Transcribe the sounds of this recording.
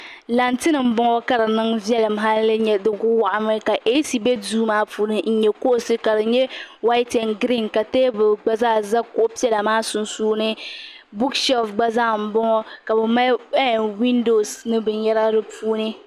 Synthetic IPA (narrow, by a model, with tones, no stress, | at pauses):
la˨ntɨ˦nɨ˨m̩˦bɔ˦ŋɔ˦ka˨ɾɨ˨nɨ˦ŋvi˦ɛ˦lɨ˨m˨ɦa˦lːɨ˦ɲɛ˨dɨ˦ɡʊ˦wa˨ʔa˨mɨ˦ka˨ʔe˦si˨be˦duː˦maː˦puː˨˦nɨ˦n̩˦ɲɛ˨ko˦˨sɨ˦ka˨ɾɨ˨ɲɛ˦wa˦tɛ˨nɡɾi˦nka˨teː˦bɨ˨ɡ͡ba˦zaː˦˨za˦kʊ˦ʔʊ˦pi˦ɛ˦la˨maː˦sʊ˨nsuː˦nɨ˦ | bu˦kʃɛ˦fɡ͡ba˦za˦˨m̩˨bɔ˦ŋɔ˦ka˨bɛ˨ma˦ɛ˦˨wi˦ndo˨snɨ˦bɨ˨jɛ˦ɾa˦ɾɨ˦pʰuː˦nɨ˦